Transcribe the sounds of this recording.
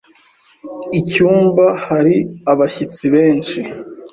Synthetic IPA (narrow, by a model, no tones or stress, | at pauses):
icuːmbahaɾiaβaçit͡siβeːnt͡ʃi